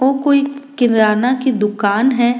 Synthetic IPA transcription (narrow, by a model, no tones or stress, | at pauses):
oːkoːikɪnɾaːnakid̪ʊkaːnɦɛː